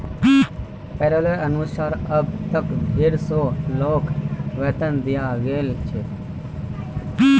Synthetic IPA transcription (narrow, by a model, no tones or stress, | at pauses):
pɛːɾoləɾənusaːɾəb̚t̪əkbʱeɾsoloːkʋet̪ənd̪ijaɡeːlt͡ʃʰe